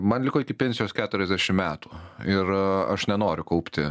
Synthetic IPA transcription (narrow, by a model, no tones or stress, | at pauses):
mɐnlʲɪkoːɪkʲɪpʲɛnʲsʲɪjoːskʲæːt̪ʊɾʲɛzʲd̪ʲæʃʲɪmmʲæːt̪u̥ːɪɾɐʃnʲɛnoːɾʲʊkɐʊpʲt̪ʲɪ